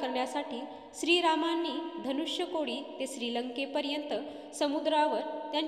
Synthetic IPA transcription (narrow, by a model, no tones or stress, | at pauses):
kəɾɳjasaʈʰiː | ɕɾiːɾamanːiːd̪ʱənuʂjəkoɽiːt̪eɕɾiːləŋkepəɾjənt̪ə | səmud̪ɾaʋəɾt̪jan